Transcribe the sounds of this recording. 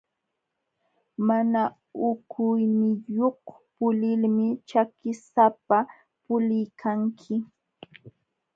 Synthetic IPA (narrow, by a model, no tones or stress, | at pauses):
mana | ʊkʰʊjmɪjoh | pʊlɪlmɪt͡ʃakɪsapa | pʊlɪjkʰaŋkʰɪ